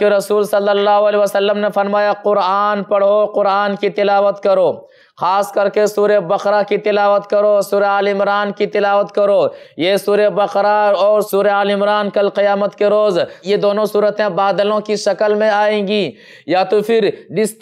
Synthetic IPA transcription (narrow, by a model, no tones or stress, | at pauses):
keɾɐsuːlsɐlːəlːaːɦoəlɛːʋasəlːəmnefɐɾmaːjaqʊɾaːnpɐɽ̤oqʊɾaːnkit̪ɪlaːʋət̪kɐɾoː | xaːskɐɾkesuːɾebɐqɾakit̪ɪlaːʋət̪kɐɾosuːɾeaːlɪmɾaːnkit̪ɪlaːʋət̪kɐɾoːjesuːɾebɐqɾaɔːɾsuːɾeaːlɪmɾaːnkɐlqɪjaːmət̪keɾoːzjed̪oːnõsuːɾət̪ẽbaːd̪əlõkiʃɐkəlmẽaːẽːɡiː | jaːt̪opʰɪɾɖɪst̪